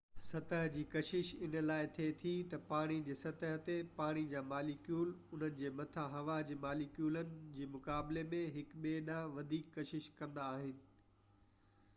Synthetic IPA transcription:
sɐt̪əɦd͡ʑiːkɐʃɪʃɪn̆laːɪt̪ʰeːt̪ʰit̪ɐpaːɽ̃id͡ʑeːsɐt̪əɦt̪epaːɽ̃id͡ʑaːmaːlikjuːlʊn̤ənɪ̆d͡ʑeːmɐt̪ʰaɦɐʋad͡ʑeːmaːlikjuːlənɪ̆d͡ʑeːmʊkaːblemẽɦɪkɓeːɗãʋɐd̪ʱiːkːɐʃɪʃkɐ̃nd̪aːɦɪnɪ̆

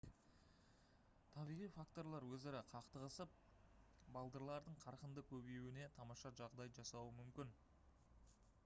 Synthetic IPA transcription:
t̪ʰɑbijʁijfakt̪o̞ɾlˠɑɾwɵzeɾɪqʰɑqt̪əʁəsəp̚ | bɑlˠd̪əɾlˠɑɾd̪əɴqʰɑɾqənd̪əkʲʰɵbejwɪne̞t̪ʰɑmɑʃɑʒɑʁd̪ɑjʒɑsɑwəmʏmkʲɪn

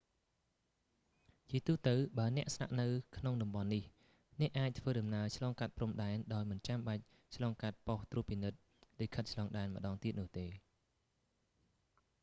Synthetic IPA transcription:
t͡ɕiət̪uːt̪əwɓaənɛ̆əʔsna̰ʔnɨwkʰnoŋɗɑmɓɑnːih | nɛ̆əʔaːc̚t̪ʰʋəːɗɑmnaət͡ɕʰlɑːŋkat̪̚prumɗaɛnɗaɔjmɨnt͡ɕamɓac̚ | t͡ɕʰlɑːŋkat̪̚poht̪ruəpinɨt̪̚ | likʰət̪̚t͡ɕʰlɑːŋɗaɛnmə̆ɗɑːŋt̪iət̪̚nʊ̆əht̪eː

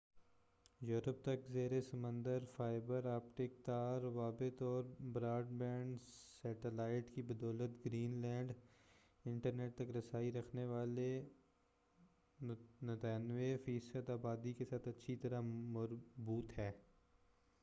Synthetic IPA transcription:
juːɾəp̚t̪ɐkzeːɾesɐmə̃nd̪əɾfaːɪbəɾaːpʈɪk̚t̪aːɾʋaːbɪt̪ɔːɾbɾaːɖbɛ̃ːɳɖsɛːʈəlaːɪʈkibɐd̪ɔːlət̪ɡɾiːnlɛ̃ːɳɖ | ɪ̃ɳʈəɾneːʈ̚t̪ɐkɾɐsaːiɾɐkʰneʋaːle | nɐt̪ɛːnʋefiːsəd̪aːbaːd̪ikesaːt̪ʰɐtːʃʰit̪ɐɾamɐɾbuːt̪ɦɛː

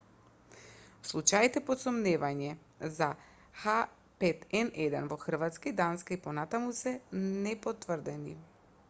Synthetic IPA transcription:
fslˠut͡ʃajit̪ɛpɔt̪sɔmnɛvaɲɛ | za | xa | pɛt̪ɛnɛd̪ɛ̰nvɔxr̩vat̪skaid̪anskaipɔnat̪amusɛnɛpot̪vr̩d̪ɛnḭ

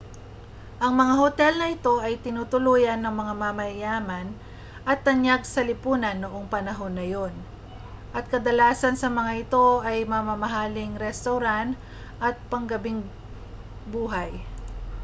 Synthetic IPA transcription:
ʔɐŋmɐŋahot̪ɛlnɐɪt̪o̞ʔɐjt̪ɪnuːt̪ʊluːjɐnːɐŋmɐŋamamɐjaːmɐn | ʔɐt̪ːɐɲjaɡ̚sɐlɪpuːnɐnːoʔo̞ŋpɐnɐɦo̞nːɐjo̞n | ʔɐt̪̚kɐd̪ɐlaːsɐnsɐmɐŋaɪt̪o̞ʔɐjmɐmɐmɐɦalɪŋɾɛst̪ɐwɾant̪ | ʔɐt̪̚pɐŋɡɐbɪŋ | buːɦaj

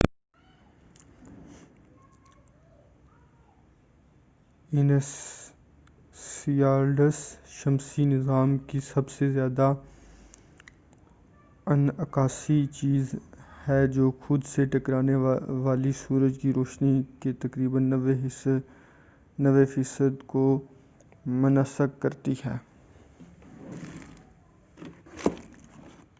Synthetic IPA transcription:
ɪn | iaːɾɖəsʃɐmsinɪzaːmkisɐbsezjaːd̪a | ɐnɐkaːsit͡ʃiːzhɛːd͡ʒoːxʊd̪seʈɐkɾaːneʋaːlisuːɾəd͡ʒkiɾoːʃniket̪ɐkɾiːbəne | nɐʋefiːsəd̪ko | mʊnəsəkːɐɾt̪iɦɛː

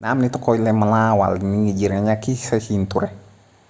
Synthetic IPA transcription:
naːmnit̪ɔkoilɛməlawa̰lniŋid͡ʒiɾaɲakisasint̪uɾɛh

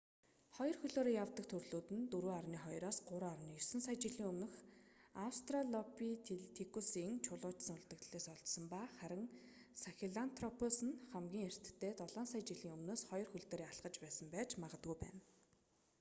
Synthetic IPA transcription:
χɔjɞ̆rxɵɮoːɾiːjawt̪ə̆k̚t̪ʰɵrɮuːt̪ɘ̆nt̪ɵɾuːarniːχɔjɾɔːsɢʊɾʊːarniːjɵsɘ̆nsajt͡ɕiɮiːŋɵmnɵ̆xawst̪rɔɮɔpit̪ʰt̪ʰikusiŋt͡ɕʰʊɮʊːt͡ɕsə̆ŋɵɮt̪ə̆kt̪ɮeːsɔɮt̪sə̆mpaːχæɾʲɪ̆ŋ | saxʲiɮant̪ʰrɔpʰʊsɘ̆nχæmɡʲiːŋer̥t̪ːeːt̪ɔɮɔːnsajt͡ɕiɮiːŋɵmnoːsχɔjɞrxɵɮt̪eːɾiːaɮɢə̆t͡ɕpæːsə̆mpæːt͡ɕmaʁə̆t̪ɡujpæ̰ːn

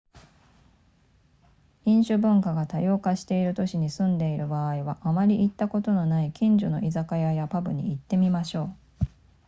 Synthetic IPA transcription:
ĩɰ̃ɕɨbɯ̟̃ŋkaɡat̪ajo̞ːkaɕi̥t̪e̞iɾɯ̟t̪o̞ɕiɲ̟isɨ̃nd̪e̞iɾɯ̟baiβaʔamaɾʲiʔit̪ːako̞t̪o̞no̞naikʲĩɲ̟d͡ʑono̞̰ʔizakajajapabɯ̟ɲ̟ḭit̪ːe̞mʲimaɕo̞ː

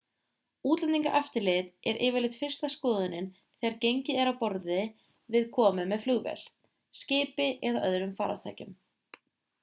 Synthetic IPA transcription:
uːt̪lɛniŋkaʔaft̪ɪɾlɪt̪ɛɾʔɪːvɪɾlɪt̪fɪr̥st̪askɔːðʏnɪn | θɛaɾcejɲcɪɛɾawpɔɾðɪ | vɪðkʰɔːmʏmːɛðfluɣvɛ̰l̥ | scɪːpɪʔɛðaʔœðɾʏmfaːɾa̰t̪ʰa̰ːjcʏm

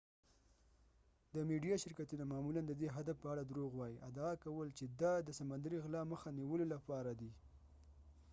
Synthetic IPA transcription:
d̪əmeɖijɑʃɪɾkat̪unamɑmuland̪əd̪eɦad̪afpəaɽad̪ɾoɣwɑjiʔad̪ːkawəlt͡ʃed̪ɑd̪əsamand̪aɾiɣlɑməxaniwəlolapɑɾad̪i

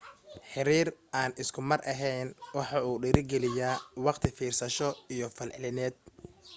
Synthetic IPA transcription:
ħɪɾiːraːnɪskʰʊmɐrʔɐɦɛjnwɑħɑuːɖɪɾɪɡɛlɪjaːwɑqt̪ʰɪfiːrsɐʃɔijɞfɐlʕɪlɪnɛːd̪̚

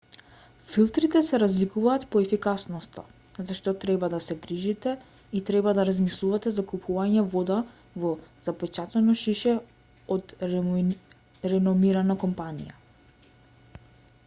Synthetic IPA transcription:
filˠt̪ɾit̪ɛsɛɾazlikuvaːt̪pɔɛfikasnɔst̪a̰ | zaʃt̪ɔt̪ɾɛbad̪asɛɡɾiʒit̪ɛ | it̪ɾɛbad̪aɾazmislˠuvat̪ɛzakupʰuvaɲɛvɔd̪a | vɔz̥apɛt͡ʃat̪ɛnɔʃiʃɛ | ɔd̪ | ɾɛnɔmiɾanakɔmpanḭja

